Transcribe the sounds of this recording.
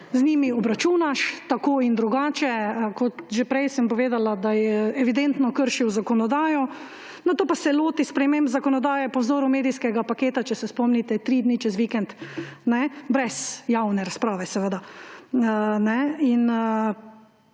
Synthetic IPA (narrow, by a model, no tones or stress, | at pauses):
znʲiːmiɔbɾat͡ʃuːnaʃt̪akoːind̪ɾuɡaːt͡ʃɛkɔt̪ʒepɾɛjsəmpɔʋeːd̪alad̪ajɛɛʋid̪ɛnt̪nɔkəɾʃiwzakɔnɔd̪aːjɔ | nat̪oːpasɛloːt̪ispɾɛmẽmbzakɔnɔd̪aːjɛpɔwzoːɾumeːd̪ijskɛɡapakeːt̪at͡ʃɛsɛspɔmnit̪ɛt̪ɾid̪nit͡ʃɛzʋikɛnt̪nɛbɾɛsjawnɛɾaspɾaːʋɛsɛʋəd̪a | nɛin